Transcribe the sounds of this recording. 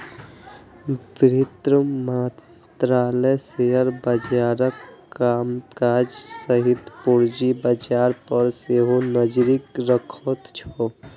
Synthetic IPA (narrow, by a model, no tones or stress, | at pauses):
biɾit̪ɾəmə | t̪ɾaːləseəɾbəd͡ʒaːɾəkːamkad͡ʒsəɦit̪puɾd͡ʒibəd͡ʒaːɾpəɾseɦonəd͡ʒɾikɾəkʰət̪t͡ʃʰo